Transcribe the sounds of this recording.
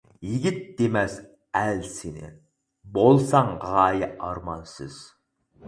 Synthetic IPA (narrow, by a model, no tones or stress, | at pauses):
jiɡʲɪt̪̚d̪̥emɛs | ælsenɪ̰ | bolˠsɑŋʁɑːjɪʔɑɾmɑnsɪz̥